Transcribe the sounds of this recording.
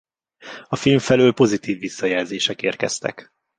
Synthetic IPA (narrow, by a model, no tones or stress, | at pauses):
ɒfilɱfɛløːlpo̞zit̪iːvːisːɒjɛlzeːʃɛkeːrkɛ̰st̪ɛ̰k